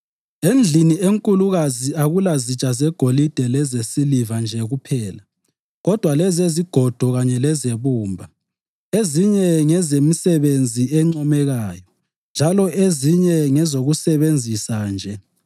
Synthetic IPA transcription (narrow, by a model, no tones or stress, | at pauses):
end͡ɮʱinieŋkʼuluɣaziaɣulazit͡ʃʼazɛɡ̥ʱolid̥ʱɛlɛzesilivand͡ʒʱɛɣupʰɛːla | ɣɔd̥ʱwalɛzeziɡ̥ʱɔd̥ʱɔɣaɲɛlɛzeβuːmbʱa | eziɲɛŋɛzemisɛβend͡zʱiɛŋ͡ǀɔmɛɣaːjɔ | nd͡ʒʱalɔʔeziɲɛŋɛzoɣusɛβend͡zʱisand͡ʒʱɛ